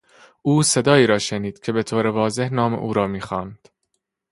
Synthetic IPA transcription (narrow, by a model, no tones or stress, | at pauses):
ʔuːse̞d̪ɒːiːɾɒːʃeniːd̪̥cʰe̞be̞t̪ʰoːɾe̞vɒːze̞hnɒːmḛʔṵːɾɒːmiːxɒːnd̪̥